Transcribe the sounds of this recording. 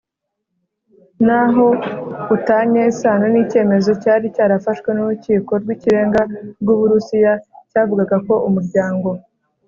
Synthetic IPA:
naɦo̞utaɲesaːnonice̞ːme̞zo̞caːɾicaːɾafaʃwe̞nuɾuciːko̞ɾɡwiːciɾe̞ːŋɡabɡuβuɾusijacaːvuɡaɡako̞umuɾɟaːŋɡo̞

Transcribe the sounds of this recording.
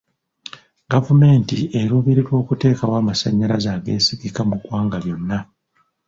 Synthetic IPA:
ɡ̥avume̞ːntieɾuβeɾeɾwo̞ːkute̞ːkawaːmasaɲːalazaːɡe̞̰ːsiɡikamuɡwaːŋɡaβjo̞nːa

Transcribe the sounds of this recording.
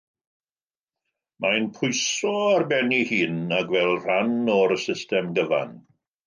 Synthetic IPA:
manpʰʊjsɔarbɛnihiːnaɡvɛlˠr̥anɔɾəsɪstɛmɡəva̰n

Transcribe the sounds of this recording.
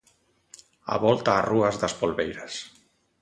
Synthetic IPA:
a̰βɔlˠt̪aːruəzðəspolβejɾəs

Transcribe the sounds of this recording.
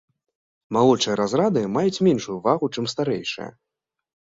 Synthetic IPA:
malˠɔt͡ʂɨjɐɾazɾad̪ɨmajut͡sʲmʲɛnʂujuvaɣut͡ʂɛmst̪aɾɛjʂɨ̰jɐ̰

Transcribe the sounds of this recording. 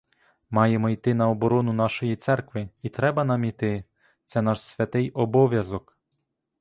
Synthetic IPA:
mɑjemɔit̪ɪn̪ɐɔbɔɾɔnʊnɑʃɔjit̪sɛrkʋɪit̪ɾɛbɐnɑmit̪ɪ | t̪sɛn̪ɑʃsʲʋʲɐt̪ɪjɔbɔʋʲjɐzɔk

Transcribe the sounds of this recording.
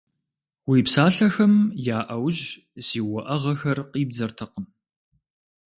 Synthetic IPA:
wiːpsaːɬɐxɐmjaːʔɐwʑ | z̥iːwɐʔɐʁɐxɐrqiːbzɐrtʰɐqəm

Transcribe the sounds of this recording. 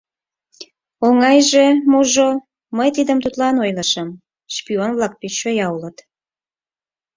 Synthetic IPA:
oŋɑjʒemuʒo | məjt̪id̪əmt̪ut̪lɑnojləʃəm | ʃpionvlɑk̚pit͡ɕːojɑulət̪

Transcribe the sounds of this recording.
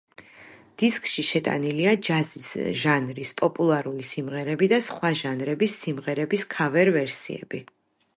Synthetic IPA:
d̪̥iskʰʼʃiʃɛt̪ʼa̰niliad͡ʒazisʒanɾispʼɔpʼulˠaɾulisimʁɛɾɛbid̪asχwaʒanɾɛbisːimʁɛɾɛbiskʰavɛɾvɛɾsḭɛ̰b̥i

